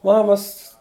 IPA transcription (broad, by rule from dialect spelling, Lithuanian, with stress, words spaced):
ˈmɑːmɐs